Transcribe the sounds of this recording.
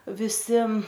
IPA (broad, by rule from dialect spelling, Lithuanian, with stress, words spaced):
ʋʲɪˈsʲɪ